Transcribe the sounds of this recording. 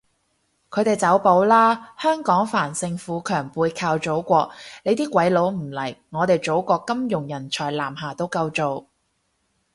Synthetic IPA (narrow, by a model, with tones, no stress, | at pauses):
kʰɵ˨˧ɥt̪e˨˩jt͡sɐ˨˥wpo˨˧˥wlaː˥hœː˥ŋkɔː˨˥ŋfaː˨˩nsɪ˧ŋfuː˨˥kʰœː˨˩ŋpuː˨˧jkʰaː˧wt͡so˨˥wkʷɔː˧k̚le˨˧jt̪iː˥kʷɐ˨˧˥jlo˨˧˥wm̩˨˩lɐ˨˩jŋɔː˨˧t̪e˨jt͡so˨˥wkʷɔː˧kːɐ˥mjʊ˨˩ŋjɐ˨˩nt͡ʃʰɔː˨˩jlaː˨˩mɦaː˨t̪o˥wkɐ˧wt͡so˨w